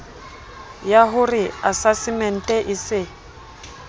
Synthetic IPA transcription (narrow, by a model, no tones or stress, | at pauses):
jaɦʊrɪasasɪmɛn̩tʼɛʔɪsɪ